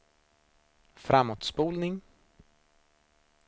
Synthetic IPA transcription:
fɾamːoːt̪spuːlnɪŋ

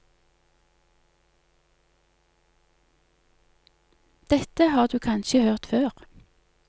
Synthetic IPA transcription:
d̪̥ɛt̪əhɑːʁd̪ʉːkʰɑnʃəhøːʁt̪føːʁ

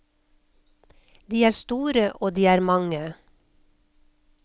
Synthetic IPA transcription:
d̪iːæːɾst̪uːɾəʔoːd̪iːæːɾmɑŋə

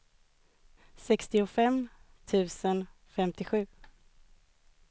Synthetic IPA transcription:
sɛkst̪ɪʊfɛm | t̪ʰʉ̟ːsən | fɛmt̪ɪɧʉ̟ː

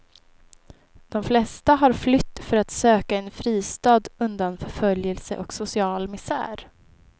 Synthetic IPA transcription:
d̪̥ɔmflɛst̪aɦaɾflʏt̪ːfœɾat̪søːkaɛnfɾiːst̪ɑːd̪ɵnd̪anfœɾfœljəlsə̰ʔɔksʊsɪɑːlmɪsæ̰ːɾ

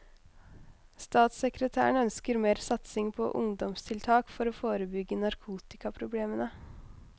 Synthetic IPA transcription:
st̪ɑːt̪səkɾət̪ʰæ̰ːəɳœnskəɾmeːɾsɑt̪sɪŋpʰɔ̰ʔʊ̰ŋd̪ɔmst̪ʰɪlt̪ʰɑːkfɔɾoːfoːɾəbʏɡːənɑɾkʰuːt̪ɪkɑpʰɾʊbleːmənə

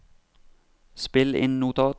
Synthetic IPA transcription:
spɪlɪ̰nːut̪ʰɑ

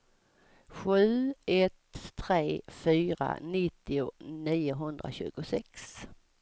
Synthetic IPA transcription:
ɧʉ̟ːʔɛt̪ːʰɾeːfyːɾa̰nɪt̪ːɪʊniːʊɦɵnd̪ɾa̰ɕʉ̟̰ːɡʊsɛks

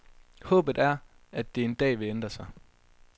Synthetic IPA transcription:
hɔ̰ːb̥ð̩ˠæɐ | æd̥ːe̝e̝nd̥ɛ̰ːʋe̝end̥ʁɐsɑ̈ɪ

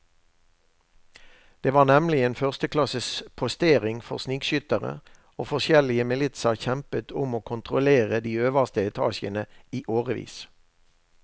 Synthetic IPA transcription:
d̪̥eːʋɑːʁnɛmlɪeːnfœʁst̪əklɑsəspʰʊst̪eːʁɪŋfɔ̰ʁsniːkʃʏt̪əʁə̰ | oːfɔʁʃɛlɪəmɪlɪt̪səʁçɛmpət̪ʰʊmoːkʰʊnt̪ʁʊleːʁəd̪iːøːʋəʁst̪əɛt̪ʰɑ̰ːʃənəiːʔoːʁəʋḭːs

